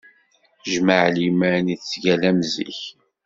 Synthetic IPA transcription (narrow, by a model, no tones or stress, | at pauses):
ʒməʕlimæniθsʝælæmzḭç